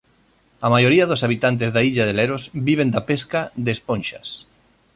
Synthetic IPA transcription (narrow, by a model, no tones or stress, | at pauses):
ɐmajoɾiɐðosaβ̞it̪ant̪̬ezðaiʎaðeleɾozbiβend̪apeskad̪espõnʃɐs